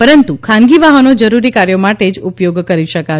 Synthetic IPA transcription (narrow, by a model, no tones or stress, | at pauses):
pəɾənt̪ukʰanɡiʋaɦənod͡ʒəɾuɾikaɾjomaʈed͡ʒupjoɡkəɾiʃəka